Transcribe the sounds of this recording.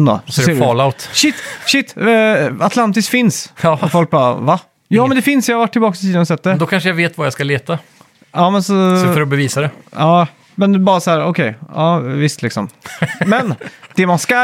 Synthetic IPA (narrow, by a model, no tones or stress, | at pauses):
nd̪ɔ̰sɔeːɾɑɭaʊt̪ʃɪt̪ːɕɪt̪ːat̪ʰlant̪ɪskfɪnsɔfɔlk̚bɑ̰ːva | jɑːmɛnd̪ɛfɪnsjahaɾvaʈːɪlbɑːksɪ̥t̪iːd̪ənɔsɛt̪̚ːd̪ɛd̪ɔkʰanʂəjaveːt̪vajaskaleːt̪a | ɑːmɛnsɔfɔɾɔbɛviːsad̪ɛɑː | mɛnbɑːɾasahæːɾɔkʰɛjɑːvɪst̪lɪksɔ̰mmɛnd̪̥ɛmanska